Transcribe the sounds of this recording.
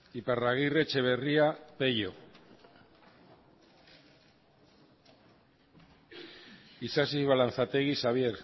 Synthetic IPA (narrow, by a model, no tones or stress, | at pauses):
iparaɣ̞iret͡ʃe̞βe̞riape̞ʎo | isasiβalan̟θat̪eɣisaβ̞je̞ɾ